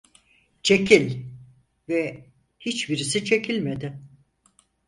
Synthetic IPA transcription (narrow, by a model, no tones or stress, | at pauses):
t͡ʃʰe̞cʰilʲ | vɛ | hit͡ʃbiɾisit͡ʃʰe̞cʰilʲmed̪ɪ